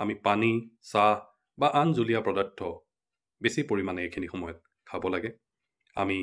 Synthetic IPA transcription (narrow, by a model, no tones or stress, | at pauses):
amipanisah | baʔanzulijapɹɔdɔtʰɔ | besipoɹimanɛekʰinixɔmɔjɔt̚ | kʰabɔlaɡɛ | a̰mi